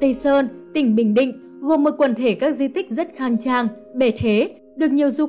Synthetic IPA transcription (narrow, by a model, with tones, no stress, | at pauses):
t̪ə˧səː˧nt̪ï˧˩ŋ̟ɓï˧˩ŋ̟ɗḭ̈˧˨ŋ̟ | ɣo˨˩nmo˨˩kwə˧˩nt̪ʰe˧˩kaː˦˥k̚zi˧t̪ï˦˥k̟̚zə˦˥t̚xaː˧˩ŋt͡ɕaː˧˩ŋ | ɓe˧˩t̪ʰe˨˦ | ɗɨ˨˩ək̚ɲi˨˩əwzu˧